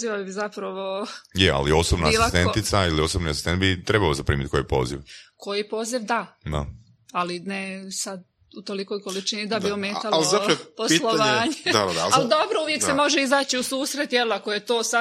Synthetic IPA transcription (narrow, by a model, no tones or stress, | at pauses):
ziʋabizapɾaʋo̞jeʔa̰lio̞sobnaaiːsliat̪ent̪it̪sailiosobniasi̥st̪ent̪̚bit̪ɾebaozapɾḭːmit̪̚ko̞jipo̞̰ːzḭʋko̞jipo̞ːziʋd̪ad̪a̰ | alinesad̪ | ut̪o̞liko̞jko̞lit͡ʃinid̪abiomeːt̪alloaɾoposilˠoʋaːɲed̪aad̪aaald̪o̞bɾouʋjek̪emo̞ʒeizaːt͡ɕiusuːsɾet̪jelako̞jet̪oːsa